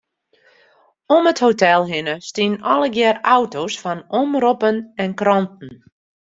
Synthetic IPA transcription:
ɔməthowtɛlˠɦɪnəstinɔləɡjɛrawtosfɔnɔmropənɛnkrɔnt̚n̩

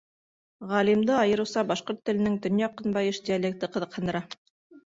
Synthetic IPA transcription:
ʁɑlimd̪ɤɑjɤ̆ɾɤ̆wsɑbɑʃqoɾt̪ːɘ̆lɘ̆nɘŋt̪ɵ̆njɑqːɤ̆nbɑjɤʃd̪ʲialʲek̚t̪ɤqɤ̆ðɤ̆qhɤ̆nd̪ɤ̆ɾɑ

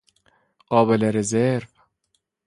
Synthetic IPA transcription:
ɢ̥ɒːbeleɾezeɾv

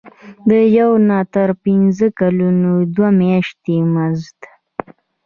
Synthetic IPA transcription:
d̪əjawnɑt̪əɾpinzəkalunod̪wamjɑʃt̪emazdt̪

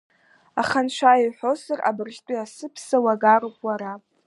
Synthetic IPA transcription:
aχanʃʷaiħʷosara̰bɨrʒtʼiasɨpʰsawaɡaɾopʼwaɾa

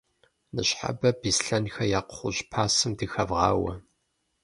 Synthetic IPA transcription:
nɨɕħa̰bɐbisɬɐnxɐjaːqχʷʊɕpʰaːsɨmdɨxɐvʁɑ̰ːwɐ

